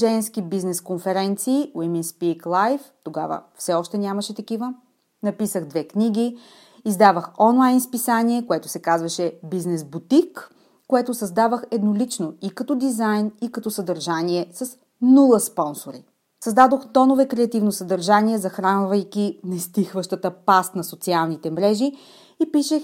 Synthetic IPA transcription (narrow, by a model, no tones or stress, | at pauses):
ʒɛnskibiznɛskonfɛɾɛnt̪siːwiminspiklˠajft̪oɡa̰və̰fsɛɔʃt̪ɛnʲaməʃɛt̪ɐkivə | nɐpisəɣd̪vɛkniɡʲi | izd̪avəxɔnlˠajnspisaniɛkoɛt̪ʊ̥sɛkazvɐʃɛbiznɛzbut̪ikː | oɛt̪ʊsɐzd̪avəxɛd̪nolit͡ʃnoikɐt̪ɔd̪izajnikɐt̪ɔsɐd̪ɐɾʒaniɛsɐs | nulˠəspɔnsoɾḭ | sɐzd̪ad̪oxt̪ɔnovɛkɾɛɐt̪ivnosɐd̪ɐɾʒaniɛzɐxɾanvɐjkʲinɐist̪ixvəʃt̪ət̪əpast̪nɐsot̪sialˠnit̪ɛmɾɛʒi | ipiʃɛx